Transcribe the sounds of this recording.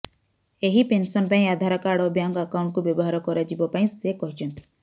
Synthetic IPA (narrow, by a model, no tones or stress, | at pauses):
eɦipensɔnpaĩad̪ʱaɾakaɽɔbjaŋɡakaʊɳʈ̚kubebɔɦaɾɔkɔɾad͡ʒibɔpaĩsekɔɦit͡ʃɔnt̪ʰi̥